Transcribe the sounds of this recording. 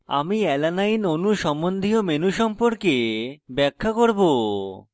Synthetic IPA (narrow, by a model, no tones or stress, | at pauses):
a̰miɛlanajnonuʃɔmond̪ʱiomenuʃɔmpoɾkebɛkʰːakoɾbo